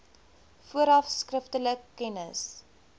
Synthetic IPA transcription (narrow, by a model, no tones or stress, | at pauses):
fuəɾɐfskrəftələkːɛnəs